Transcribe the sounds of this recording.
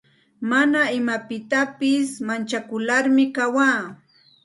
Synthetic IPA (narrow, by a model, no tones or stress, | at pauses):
manaɪmapɪt̪apɪsmant͡ʃakʊlaɾmɪkawaː